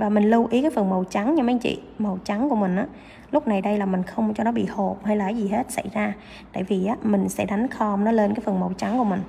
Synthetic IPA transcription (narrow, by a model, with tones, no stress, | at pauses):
vaː˨˩mï˨˩ŋ̟lu˧ʔi˨˦kaː˨˦jfə˨˩ənmə˨˩wt͡ɕa˨˦ŋɲa˧ma˨˧˦t͡ɕḭ˧˨mə˨˩wt͡ɕa˨˦ŋku˧˩əmï˨˩ŋ̟ʔaː˨˦ | lʊ˦˥k͡p̚na˨˩jɗə˧jlaː˨˩mï˨˩ŋ̟xə˧wŋ͡mt͡ɕɔ˧nɔ˨˦ɓḭ˧˨ho˨˩p̚ha˧jlaː˨˩kːaː˨˦jzi˨˩ɦe˦˥t̚sa̰˧˩jzaː˧ | t̪a̰ː˧˨jvi˨˩ʔaː˨˦mï˨˩ŋ̟sɛ̰˧˥ɗa˨˦jŋ̟xɔ˧mnɔ˨˦le˧nkaː˨˦jfə˨˩ə˩mə˨˩wt͡ɕa˨˦ŋku˧˩əmï˨˩ŋ̟